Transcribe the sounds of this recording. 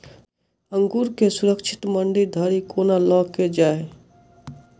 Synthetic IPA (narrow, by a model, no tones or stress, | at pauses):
ə̃ŋɡuːɾkesʊɾəkʃʰɪ̥t̪məɳɖiɾd̪ʱəɾikoːnalɔːkːed͡ʒaːe